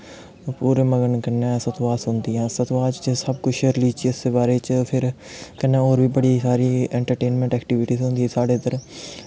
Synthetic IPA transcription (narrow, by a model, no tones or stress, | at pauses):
puːɾeːməɡəɳkənːɛ̃ːsət̪ʋaːsɦʊ̃nd̪iːãːsət̪ʋaːt͡ʃt͡ʃsəbkʊt͡ʃʰɾliːt͡ʃiɪseːbaːɾeːt͡ʃːpʰɪɾ | kənːɛ̃ːoːɾʋiːbəɽiːsaːɾiːɛːɳʈəɾʈeːnmɛ̃ɳʈɛːkʈiʋɪʈiːzɦʊ̃ːnd̪iɛːsaːɖeːt̪əɾ